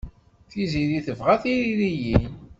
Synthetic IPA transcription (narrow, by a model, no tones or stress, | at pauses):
θiziðiθəvʁaθiɾiɾijin